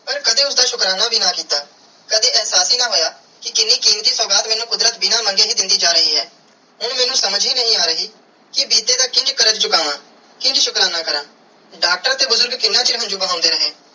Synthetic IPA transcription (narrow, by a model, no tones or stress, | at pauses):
pəɾkəd̪eːʊsd̪aːʃʊkɾaːnaːbʱiːnaːkiːt̪aː | kəd̪eːɛːɦsaːsiːnãːɦoːjaː | kɪkɪnːiːkiːmt̪iːsɔːɡaːt̪mɛːnũːkʊd̪ɾət̪bɪnaːmə̃ŋɡeːɦiːd̪ɪnd̪iːd͡ʒaːɾəɦiːɦɛː | ɦʊɽmɛːnũːsəməd͡ʒɦiːnəɦĩːaːɾəɦiː | kɪbiːt̪eːd̪aːkɪ̃nd͡ʒkəɾət̪t͡ʃʊkaːnaː | kɪ̃nd͡ʒʃʊkɾaːnaːkəɾən | ɖaːk̚ʈəɾt̪eːbʊzʊɾɡkɪnːaːt͡ʃɪɾɦə̃nd͡ʒuːbəɦãːʊ̃nd̪eːɾəɦeː